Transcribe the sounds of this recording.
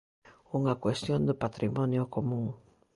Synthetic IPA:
uŋɐkwest̪jond̪ɪpat̪ɾimɔnjokomũŋ

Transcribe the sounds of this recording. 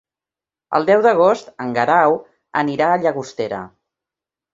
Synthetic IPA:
ə̰lˠd̪ɛwðəɣ̞ost̪əŋɡəɾaw | əniɾaːʎəɣust̪eɾə̰

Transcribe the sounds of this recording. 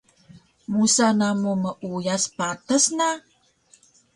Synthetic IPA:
musanamuməʔujaspatəsna

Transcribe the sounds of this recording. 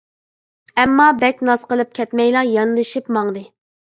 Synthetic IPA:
ɛmːɑbɛkʲnɑsqəlˠɨp̚kʲʰɛt̪mɛjlˠɑjɑnd̪ɨʃɨpmɑŋd̪ɨ

